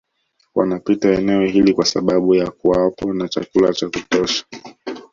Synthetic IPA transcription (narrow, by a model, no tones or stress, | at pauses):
wanapitaɛnɛɔhilikwasa̰ɓaɓujakuapɔnat͡ʃakulat͡ʃakutɔʃḁ